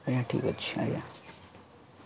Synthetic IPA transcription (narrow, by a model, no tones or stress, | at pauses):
jaʈʰḭkətːɕʰa̰ja̰